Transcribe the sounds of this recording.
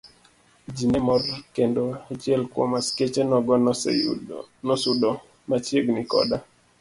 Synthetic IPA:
d͡ʒinemɔrkendoat͡ʃjɛlkwɔ̰masket͡ʃenɔɡɔ | nɔsʊdɔ | mat͡ʃjeɡnikɔ̰da

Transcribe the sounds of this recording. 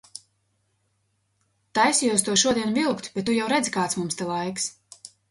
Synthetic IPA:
t̪ajsʲijuɔst̪uɔʃuɔd̪iɛnvilˠkt̪b̥ʲɛt̪ːujawɾɛd̪zʲikaːt̪smumst̪ɛlˠajks

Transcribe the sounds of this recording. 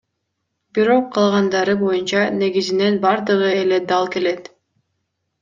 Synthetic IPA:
biɾo̞qʰːɑlˠʁɑnd̪ɑɾɯbo̞junt͡ʃɑne̞ɡizine̞nbɑɾd̪ɯʁɯe̞le̞d̪ɑlˠke̞le̞t̪

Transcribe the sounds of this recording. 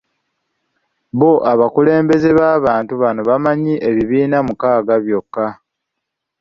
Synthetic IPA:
βo̞ʔaβakule̞ːmbe̞ze̞βaːβaːntuβano̞βamaɲiʔe̞βiβiːnamukaːɡaβjo̞kːa

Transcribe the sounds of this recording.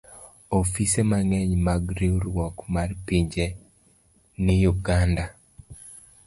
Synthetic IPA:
ofisemaŋɛɲmaɡɾiɾwɔkmarpiɲd͡ʒe | nijuɡanda

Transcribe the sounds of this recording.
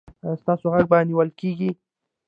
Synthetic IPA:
st̪ɑsoɣaɡ̚baniwəlkeɡi

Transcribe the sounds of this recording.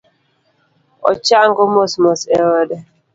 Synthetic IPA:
ɔ̰t͡ʃaŋɡɔmosmosɛɾɔdɛ

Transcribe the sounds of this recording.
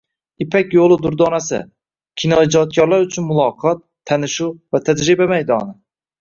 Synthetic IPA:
ipʰɛkʲjolˠɨd̪ʊɾd̪ɑnasɪ̰ | kʲʰinɑid͡ʒɑt̪̚kʰʲɑɾlˠaɾyt͡ʃʰynmulˠɑːqʰɑt̪ʰːænɪʃuvɛt̪ʰæd͡ʒ̪ɾɪbæmɛjd̪ɑnɨ

